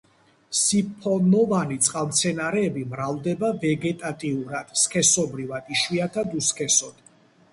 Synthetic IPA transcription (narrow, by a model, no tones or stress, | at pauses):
sipʰɔnɔvanit̪sʼqʼavmt̪sʰɛnaɾɛːbimɾald̪ɛbavɛɡɛt̪ʼat̪ʼiuɾad̪̥skʰɛsɔbɾivad̪̥iʃwiat̪ʰad̪uskʰɛsɔd̪̥